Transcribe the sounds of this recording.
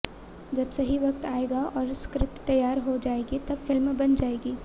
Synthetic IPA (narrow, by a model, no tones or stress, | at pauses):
d͡ʒɐbsɐɦiʋɐkt̪aːeːɡaʔɔːɾskɾɪpt̪t̪ɐjːaːɾɦod͡ʒaːeːɡit̪ɐbfɪlmbɐnd͡ʒaːeːɡiː